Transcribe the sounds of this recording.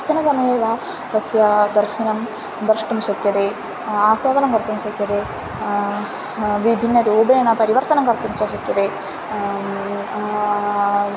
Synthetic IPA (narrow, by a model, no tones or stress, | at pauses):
t͡ʃɐnɐsɐmɐjeːʋa | t̪ɐsjad̪ɐɾʃinɐm | d̪ɐɾʂʈɐmʃɐkjɐd̪e | aːswaːd̪ʱɐnɐmkɐɾt̪ɐmʃɐkjɐd̪e | ʋibʱinːɐt̪iubeːɳɐpɐɾiʋɐɾt̪ɐnɐmkɐɾt̪umt͡ʃɐʃɐkjɐd̪e